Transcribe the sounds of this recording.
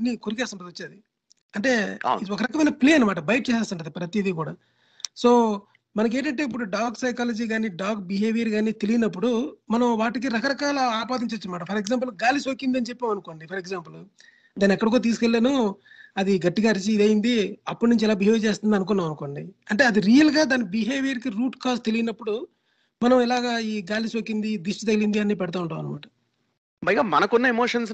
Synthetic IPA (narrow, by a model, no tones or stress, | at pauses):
ɐnːikuɾikɛːst̪ɐɳʈɐd̪ot͡ʃːed̪i | ɐɳʈe̞ːiɔkɐɾɐkɐmɐjnɐpliːɐnːɐmaːʈɐbɐjʈ̚t͡ʃɛːsaːst̪ɐɳʈɐd̪ipɾɐt̪iid̪ikuːɽaː | soː | mɐnɐk̬eːɳʈɐɳʈeːip̬ːuɽuɖaːɡsɐjkaːlɐd͡ʒiːɡaːniːɖaːɡbiɦeːʋijɐɾɡaːnit̪elijinɐpːuɽumɐnɐmʋaːʈik̬iɾɐkɐɾɐkaːlɐaːpaːd̪iɲt͡ʃɐt͡ʃːɐnɐmaːʈɐpʰɐɾekzaːmp̬ɐlɡaːlisoːkind̪ɐnit͡ʃepːeːmɐnukoːɳɖipʰɐɾeɡzaːmpul | d̪aːniɛkːɐɽɐk̬uɽɐt̪̬iːsu̥kelːeːnu | ɐd̪iɡɐʈːiɡaːɾit͡ʃiːd̪ɐjind̪iɐpːuɽnuɲt͡ʃiɛlaːbiɦeːʋit͡ʃe̞ːst̪und̪ɐnukunːaːmɐnuko̞ːɳɖiɐɳʈe̞ːɐd̪iɾiːjɐlɡaːd̪aːnibiɦeːʋijɐɾkiɾuːʈkaːst̪e̞lijinɐpːuɽu | mɐnɐmilaːɡaːiːɡaːlisoːkːind̪id̪isʈit̪ɐɡlind̪iɐnːiːpɛɽɐt̪̬aːuɳʈaːɐ̰nɐma̰ːʈɐ̥ | bɐjɡaːmɐnɐkunːɐemoːʂɐns